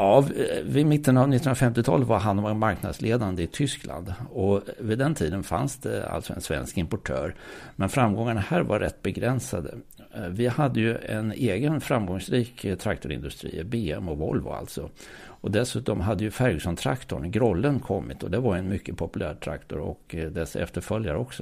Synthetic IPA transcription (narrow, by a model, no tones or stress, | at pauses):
ɑːvɪmɪt̪ːənavnɪt̪ːnɾafɛmt̪ɪt̪ʰɑ̰ːlvaɾɦand̪ɔmɛnmaɾknad̪sleːd̪and̪əɪt̪ʰʏsklʔa̰nd̪ɔvɪd̪ɛnt̪ʰiːd̪ənfa̰nsd̪ɛ̰a̰lt̪sɔɛ̰nsvɛ̰nskɪmpɔʈʰø̰ːɾmɛnfɾamɡɔŋːaɳahæːɾvaːɛt̪̚ːbɛɡɾɛnsad̪ə̰ | vɪhad̪ːəjɵɛneːɡənfɾamɡɔŋsɾiːkt̪ʰɾak̚t̪ʊɾɪ̰nd̪ɵst̪ɾḭːbeːɛmɔvɔ̰lvʊ̰a̰lt̪sɔɔd̪ɛsʉ̟ːt̪ɔmɦad̪ːəjɵfæɾɡsɔnt̪ʰɾa̰kt̪ʊ̰ɳɡɾɔlːənkʰɔmːɪt̪ɔd̪æɾvaɾɛnmʏkːəpʰɔpɵlæ̰ːɾʈ̪ʰɾa̰kt̪ʊɾɔ̰kd̪ɛsɛ̰ft̪əɾfœljaɾɔksɔ